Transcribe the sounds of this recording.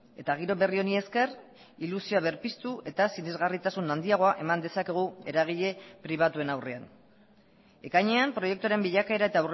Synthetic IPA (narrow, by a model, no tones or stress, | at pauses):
e̞t̪aɣ̞iɾo̞βe̞rio̞nie̞ske̞r | ilusioaβe̞ɾpist̪uʔe̞t̪asinezɣarit̪asunand̪iaɣ̞o̞aʔe̞mand̪e̞sake̞ɣ̞ue̞ɾaɣ̞iʎe̞pɾiβ̞at̪ue̞nawre̞an | e̞kajɲe̞ampɾo̞je̞k̚t̪uaɾe̞mbiʎakae̞ɾae̞t̪awr